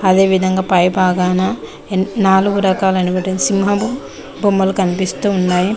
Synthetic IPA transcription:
ɐd̪e̞ːʋid̪ʱɐŋɡaːpɐjbʱaːɡaːnɐ | naːluɡuɾɐkaːlɐnibɐʈensimɦɐbu | bʱumːɐlukɐnipist̪uːnːaːji

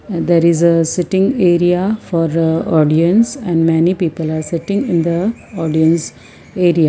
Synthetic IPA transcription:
d̪ɛɾɪzəsɪʈɪ̃ŋeːɾiafɔːɾəɔːɖiə̃nsɛ̃ɳɖmɛnipiːpəlaːɾsɪʈɪ̃ŋɪ̃nd̪əɔːɖiə̃ns | eːɾia

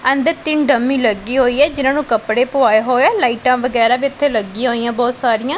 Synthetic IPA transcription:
ə̃nd̪əɾt̪ɪnɖəmːiːləɡiːɦoːiːɛːd͡ʒɪnãːnũːkəpɽeːpʊaːeɦoːɛːlaːiːʈãːʋəɡɛːɾaːʋiːɪt̪ʰːeːləɡĩɦoːijãːbɔːt̪saːɾijãː

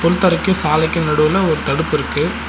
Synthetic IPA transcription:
pɔlt̪ːɐɾɐkːʊ̃saːlɐɪkʲːɯ̃nɛɽɯʋɐlɐɔɾɯt̪ɐɽɯpːɪɾɯkːɯ

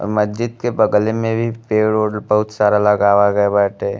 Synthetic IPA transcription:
ɔ̰ɾməd͡ʒɪd̪kebɐɡlemẽbʱipeːɭoːɽlbɐɦʊt̪saːɾaləɡaːʋaɡəebɛːʈe

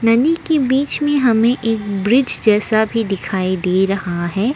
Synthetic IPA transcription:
nɐnikebiːt͡ʃmẽɦɐmẽʔeːkbɾɪd͡ʒd͡ʒɛːsabʱid̪ɪkʰaːid̪eːɾɐhaɦɛː

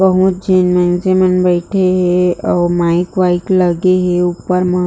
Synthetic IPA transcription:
bəɦʊt̪̚d͡ʒeːnmɛ̃ŋd͡ʒemɛ̃nbɛɪʈʰeɦɛɔːɾmaːɪkʋaːɪkləɡeɦeuːpəɾmə

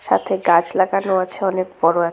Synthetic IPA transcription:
ʃa̰t̪ʰeɡad͡ʑlaɡanoat͡ɕʰeɔnek̚bɔɾoɛ

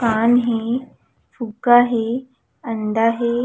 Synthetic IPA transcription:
kaːnɦe | fuɡaɦe | ənd̪aɦe

